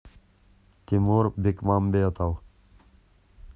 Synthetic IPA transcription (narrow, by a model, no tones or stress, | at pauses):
t̪imuːɾbikmambejɐt̪aw